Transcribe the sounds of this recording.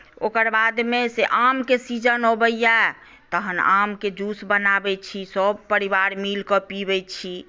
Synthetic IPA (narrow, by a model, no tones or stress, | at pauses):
okəɾbad̪meseʔamkesid͡ʒənɦobəja | t̪əɦəna̰mked͡ʒusbənabɛt͡ʃʰisəb̚pəɾibaɾmilkɔpibɛt͡ʃʰi